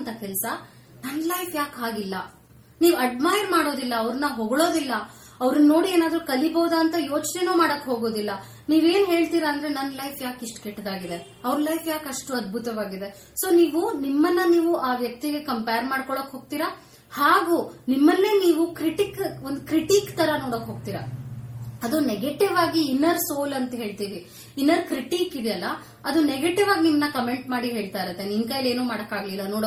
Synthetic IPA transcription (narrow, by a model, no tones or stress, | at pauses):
nt̪ɐkɛlsɐ | nɐnːlɐjfʰjaːkaːɡilːɐ | niːʋuɐɖmaːjɐɾmaːɽo̞ːd̪ilːɐɐʋɾɐnːɐɦoɡɐɭo̞ːd̪ilːɐ | ɐʋɾɐnːɐno̞ːɽieːnaːd̪ɾukɐlibɐwd̪aːnt̪ɐjo̞ːt͡ʃnenuːmaːɽɐkːɦoːɡo̞ːd̪ilːɐ | niːʋe̞ːnɦe̞ːɭt̪iːɾɐːnd̪ɐɾe̞nɐnːlɐjfʰjaːkiʂʈkɛʈːd̪aːɡid̪e̞ | ɐʋɾlɐjfjaːkɐʂʈuɐd̪̚bʱut̪ɐʋaːɡid̪e̞ | so̞ːniːʋunimːɐnːɐniːʋuʔaːʋjɐk̚t̪iɡe̞kɐmpejɾmaːɽkɔɭokɦo̞ːɡ̚t̪iːɾa | haːɡuːnimːɐlːeːniːʋukɾiʈikond̪ukɾiʈiːkt̪ɐɾɐnoːɽokːɦoːɡ̚t̪iːɾɐ | ɐd̪uneɡeʈiʋaːɡiːnːɐɾsoːlɐnt̪ɐɦe̞ːɭt̪iːʋiː | nːɐɾkɾiʈiːkid̪jɐlːɐ | ɐd̪uneɡeʈiʋaːɡinimːɐnːɐkɐme̞ɳʈmaːɽiɦe̞ːɭt̪ajiɾɐt̪ːeninkɐjleːnuːmaːɽɐkːaːɡlilːɐnoːɽo